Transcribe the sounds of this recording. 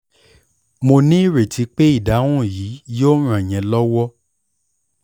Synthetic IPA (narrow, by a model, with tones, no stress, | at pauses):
mo˧nĩ˦˨ɾe˨tʰi˨˧˦k͡pe˦i˦˨da˨˦ũ˦˨jiː˨˦jo˦ɾ̃ũ˨ɛ˨j̃ɛ̃˨lɔ˦wɔ˦